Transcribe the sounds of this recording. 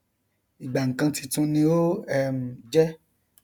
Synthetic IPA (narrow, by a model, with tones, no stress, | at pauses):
i˨ɡ͡ba˨ŋ̩˨kã˧ti˧tũ˧nĩ˧˦o˦ɛ˦m̩˨d͡ʒɛ˦